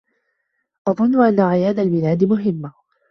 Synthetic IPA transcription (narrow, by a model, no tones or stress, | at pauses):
ʔɑðˤʊnːʊʔanːaʕɪjaːd̪albɪlaːd̪mʊɦɪmːa